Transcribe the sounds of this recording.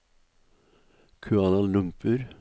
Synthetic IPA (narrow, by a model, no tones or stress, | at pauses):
kʰʉɑːnɑlʉmpʉɾ